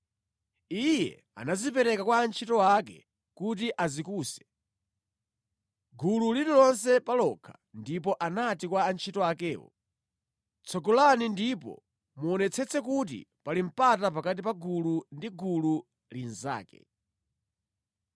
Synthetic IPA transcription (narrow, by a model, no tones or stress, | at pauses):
ijɛ̰ | a̰nazipɛɾɛkakwaːnt͡ʃʰitɔak̬ɛ̰ | kut̬iʔazikuːsɛ̥ | ɡululiɾilɔnsɛpalɔkʰḁ | ndip̬ɔʔanatikwaːnt͡ʃʰitɔakɛːwɔ̰ | t͡sʰɔɡɔlanindipɔ̰ | muɔnɛt͡sʰɛt͡sɛkut̬ḭpalim̩patap̬akat̬ipaɡulundiɡulu | linza̰ːkɛ̰